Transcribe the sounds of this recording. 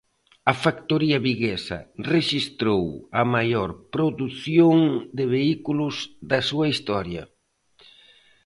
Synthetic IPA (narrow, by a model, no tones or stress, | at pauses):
ɐfakt̪oɾiɐβiɣesɐ̰reʃist̪ɾowɐmajoɾpɾoðuθjoŋd̪ɪβeikulʊzd̪ɐsuɐist̪ɔɾjɐ̰